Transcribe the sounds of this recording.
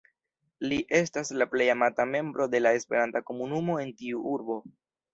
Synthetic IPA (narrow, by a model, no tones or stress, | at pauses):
liʔe̞staslaple̞jamatame̞mbɾo̞de̞lae̞spe̞ɾantako̞munumo̞e̞ntiuʔuɾbo̞